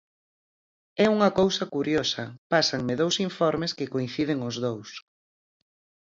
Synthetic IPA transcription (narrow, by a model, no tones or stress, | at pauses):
ɛuŋɐkowsɐkuɾjosɐpasɐŋmɪðowsiɱfɔɾmɪskɪkoĩn̟θið̞ɪŋʊzðows